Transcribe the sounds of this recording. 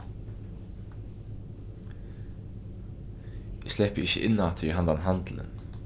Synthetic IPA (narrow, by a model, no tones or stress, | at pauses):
ɪslɛpəɪçə̰ʔɪnːat̪ʰəɾiɦɑnd̪anɦant̪lə̰n